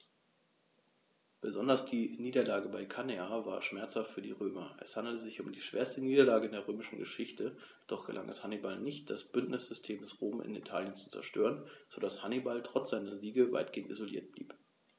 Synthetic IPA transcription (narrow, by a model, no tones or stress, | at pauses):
b̥əzɔndɐsd̥iːniːdɐlaːɡəbaɪkʰaneava̰ːɐʃmɛɐt͡shaftfyːɐdḭːʁøːmɐʔɛ̰shandl̩təzɪçʊmdiːʃv̥ḛːɐstəniːdɐlaːɡədeːɐʁ̞øːmɪʃn̩ɡəʃɪçtə | d̥ɔχɡ̥əlʔa̰ŋʔɛ̰shanibalnɪçt̚d̥asb̥ʏntnɪsz̥ʏstʰeːmdɛsʁoːmʔɪ̰nḭtʰa̰ːljənt͡su̥t͡sɛ̰ɐʃtø̰ːʁənz̥odashanibaltʁ̥ɔt͡sz̥aɪnɐziːɡəva̰ɪtɡ̥eːəntḭzolḭːɐt̚b̥lḭːp